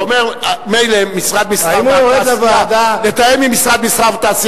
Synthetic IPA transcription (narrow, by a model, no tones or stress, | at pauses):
omeʁmejleːisʁad̪misʁaaimuaoʁedavaad̪alet̪aemimisʁad̪misʁavt̪aːsi